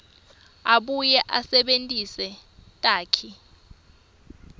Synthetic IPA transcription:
aɓujɛʔasɛɓentʼisɛtʼaːkʰi

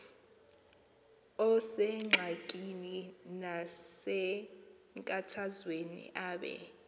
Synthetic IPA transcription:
ɔsɛŋ͡ǁʱakʼininasɛ | ŋkʼatʰazwenḭʔaːɓɛ̰

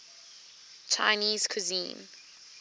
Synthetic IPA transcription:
t͡ʃʰa̰ɪniːz̥kʰʊzḭ̃ːn

